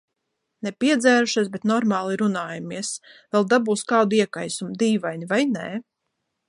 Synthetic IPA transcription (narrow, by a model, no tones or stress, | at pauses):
nepʲiɛd̪zæːɾuʃisbet̪nɔɾmaːlˠiɾunaːjamiɛsvɛlˠd̪abuːskawd̪iɛkajsumd̪iːvajnivajnḛ